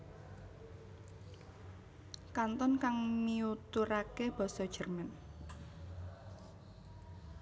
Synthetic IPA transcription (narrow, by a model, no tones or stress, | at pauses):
kant̪ɔnkaŋmiut̪uɾakeb̥ɔ̤sɔd̥ʒ̥ə̤rmɛn